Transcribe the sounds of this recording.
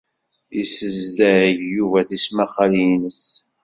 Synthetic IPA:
isəzd̪æʕəʝjuvæθismæχalinəs

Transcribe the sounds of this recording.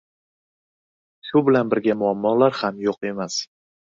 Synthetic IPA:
ʃʊbɪlanbɪɾɡʲamʊamːɒlaɾhamjoqe̞mas

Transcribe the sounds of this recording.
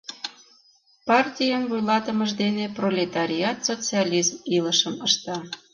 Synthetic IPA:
pɑrtʲijɑnvujlɑt̪ə̆məʒd̪eneprolʲet̪ɑɾʲiɑt̪sot͡sɨɑlʲizmiləʃəməʃt̪ɑ

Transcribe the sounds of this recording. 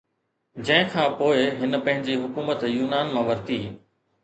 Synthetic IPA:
d͡ʑɐ̃ɦɪ̃kʰãːpoːɪɦɪnə̆pɐ̃ɦɪ̃ɲd͡ʑiɦʊkuːmət̪juːnaːnmãːʋɐɾt̪iː

